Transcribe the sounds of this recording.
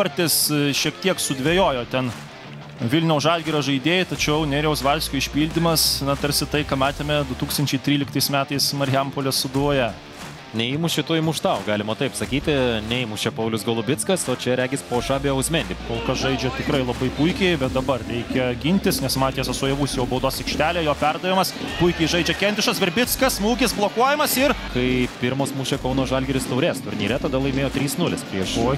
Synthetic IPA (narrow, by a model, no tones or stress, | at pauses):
ɐɾʲt̪ʲɪsʃʲiɛkt̪ʲiɛksʊd̪ʲʋʲejoːjoːt̪ʲɛn | ʋʲɪlʲnʲɛʊsɑːd̪ʲɡʲiɾɐʒɐɪd̪ʲeːjɛt̪ɐt͡ʃʲɛʊnʲɛɾʲɛʊsʋɐlʲsʲkʲoːɪʃʲpʲiːlʲd̪ʲɪmɐsnɐt̪ɐɾʲsʲɪt̪ɐɪkɑːmɑːt̪ʲeːmʲɛd̪ʊt̪uːkst̪ɐnʲt͡ʃʲɛɪt̪ʲɾʲiːlʲɪkt̪ɐɪsmʲæːt̪ɐɪsmɐɾʲɪjɛmpoːlʲɛsʊd̪uɔjɛ | nʲɛɪmʊʃʲɪt̪uːjmʊʃt̪ɐʊɡɑːlʲɪmot̪ɐɪpsɐkʲiːt̪ʲɪnʲɛɪmʊst͡ʃʲɛpɐʊlʲʊsɡɐlˠʊbʲɪt̪skɐsoːt͡ʃʲɛɾʲæːɡʲɪspoːʃɑːbʲeɐʊsʲmʲɛnʲd̪ʲikoːlˠkɐsʒɐɪd͡ʒʲɛt̪ʲɪkrɐɪlˠɐbɐɪpʊɪkʲɛɪbʲɛt̪̚d̪ɐbɐrrʲɛɪkʲɛɡʲɪnʲt̪ʲɪsnʲɛsmɑːt̪ʲijɛsɐsoɔjɛʋuːsʲjɛʊbɐʊd̪oːsʲɪkʃʲt̪ʲæːlʲeːjoːpʲɛrd̪ɐʋʲɪmɐspʊɪkʲɛɪʒɐɪd͡ʒʲɛkʲɛnʲt̪ʲɪʃɐsʋʲɛɾʲbʲɪt̪skɐsmuːɡʲɪsblˠoːkuɔjɛmɐsɪrkɐɪpʲɪɾmoːsmuːʃʲɛkɐʊnoːsʒɐlʲɡʲɪɾʲɪst̪ɐʊɾʲeːst̪ʊɾʲnʲiːɾʲɛt̪ɐd̪ɐlˠɐɪmʲeːjoːt̪ʲɾʲiːsnʊlʲɪspʲɾʲiɛʃoj